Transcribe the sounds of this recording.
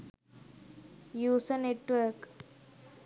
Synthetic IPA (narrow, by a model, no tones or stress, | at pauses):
juːsəneʈʋəɾk